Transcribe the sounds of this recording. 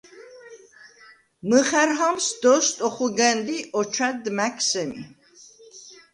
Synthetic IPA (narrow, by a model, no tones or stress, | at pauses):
məχɛɾɦamsd̪ɔst̪ʼɔχuɡɛnd̪iʔɔt͡ʃʰad̪mækʰsɛmḭ